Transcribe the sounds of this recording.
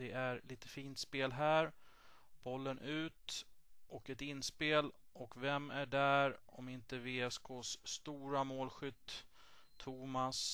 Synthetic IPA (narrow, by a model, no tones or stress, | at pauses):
ɛʔæɾliːt̪ə̥fiːnt̪speːlɦæːɾ | b̥ɔlːənʔʉ̟ːt̪ʔɔkɛt̪ɪnːspeːlʔɔkvɛmæɖæɾɔmɪnt̪əveːɛskoːsːt̪uːɾamoːlɧʏt̪ʰː | uːmas